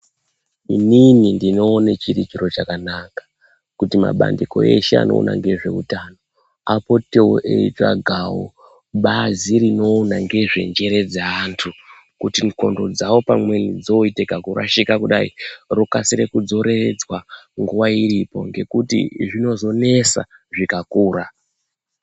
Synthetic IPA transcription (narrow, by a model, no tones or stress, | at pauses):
ininindino̞ːnet͡ʃiɾit͡ʃiɾo̞t͡ʃakanakḁ | kutima̰ɓa̰ndiko̞̰e̞̰ʃea̰no̰ːnʔa̰ŋɡe̞ʐe̞̰utano̞ | apo̞teoʔḛit͡ʂa̰ɡʱawo̰ | ɓaziɾino̞ːnaŋɡe̞ʐe̞̰nd͡ʒe̞ɾe̞d͡zaantʰu | kutinko̞̰ndo̞d͡zawo̞pamwe̞nid͡zo̞itekakuɾa̰ʃikakuɗaḭrokasiɾe̞kud͡zo̞ɾe̞ed͡zwaŋɡuʋairipo̞̰ŋɡe̞kutḭʐino̞zo̞ne̞sa̰ʐikakuːɾa